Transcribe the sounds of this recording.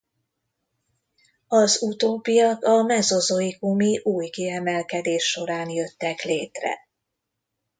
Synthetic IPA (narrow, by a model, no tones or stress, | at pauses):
ɒzut̪oːpijɒkɒmɛzo̞zo̞ikumiʔuːjkiɛmɛlkɛd̪eːʃːo̞ɾaːnjø̞t̪ːɛkleːt̪rɛ̰